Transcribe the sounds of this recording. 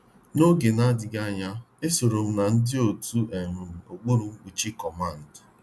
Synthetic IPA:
no˦ɡe˨na˦dɪ˨ɡa˦˨ɲa˦ | e˦so˨ɾo˨m̩˦na˨n̩˦dɪ˦o˨tu˦ʔe˨ɾʊ˨m̩˨o˨ɡ͡bo˦ɾu˨ŋ͡m̩˦k͡pu˨t͡ʃi˦kɔ˨ma˦˨n̩˨d

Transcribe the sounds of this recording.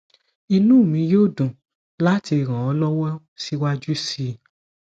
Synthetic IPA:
i˧nũ˦˨mĩ˧˦joː˦˨dũ˨ | la˦ti˧˨ɾ̃ã˨ɔ˨˦lɔ˦wɔ˦ | si˦wa˦d͡ʒu˦si˧

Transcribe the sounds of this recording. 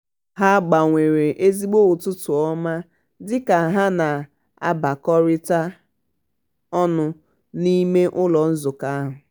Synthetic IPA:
ɦa˦ɡ͡ba˨ŋʷe˨ɾe˨ʔe˦zi˦ɡ͡bo˦ʊ˨tʊ˦tʊ˨ɔ˦ma˦ | dɪ˦ka˨ɦa˦na˨ | a̰˦ba˨kɔ˦ɾɪ˦ta˦ | ɔ˦nʊ˦ | ni˦me˦ʔʊ˦lɔ˨n̩˦zʊ˨ka˦a˦ɦʊ˨

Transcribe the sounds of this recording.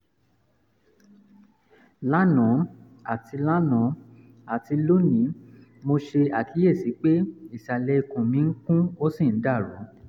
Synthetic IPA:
la˦nɔ̃˨˦ | a˦˨ti˧la˦nɔ̃˨˦ | a˨ti˧lo˦nĩ˨˦mo˧ʃe˧a˨ki˨˦e˦˨si˨˦k͡pe˦i˦˨ʃa˨lɛ˧i˧kũ˨mĩ˨˧˦ŋ̩˦kũ˦o˦sĩ˦˨n̩˨˦da˦˨ɾṵ˨˦

